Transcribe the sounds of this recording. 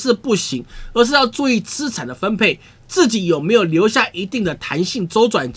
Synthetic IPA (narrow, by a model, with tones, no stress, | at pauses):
ɻ̩˥˧pu˥˩ɕi˧˥ŋə˧˥ʂ̬ɻ̩˥˧jɑ˥˧ʊt͡su˥˧i˥˩t͡sɹ̩˥ʈ͡ʂʰa˨˩nd̪ə˩fə˥npʰe˥˩ɪ | t͡sɹ̩˥˩t͡ɕi˧˥jo˨˩me˧˥ɪjo˨˩ʊljo˧˥ʊɕja˥˩ʔi˧˥t̪i˥˩ŋd̪ə˩t̪ʰa˧˥nɕi˥˩ŋt͡so˥ʊt͡swa˨˩nt͡ɕ